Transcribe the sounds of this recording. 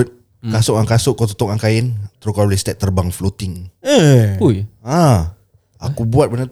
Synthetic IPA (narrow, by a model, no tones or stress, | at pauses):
t̪̚ | kasʊʔaŋkasʊʔkːot̪u̥t̪ɔkaŋkaɪnt̪ɾukalɛst̪ɛʔ̚t̪ːərbaŋflot̪ɪŋ | uja | akubuat̪̚bəna